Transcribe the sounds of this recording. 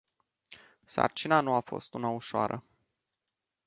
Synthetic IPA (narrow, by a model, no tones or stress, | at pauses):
sa̰rt͡ʃinanuafo̞st̪unauʃoa̰ɾʔə̰